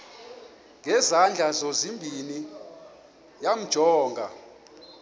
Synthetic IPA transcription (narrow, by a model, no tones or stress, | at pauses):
ŋʱɛzand͡ɮʱazozimbʱini | jam̩d̥ʒ̥ʱɔːŋɡʱa̰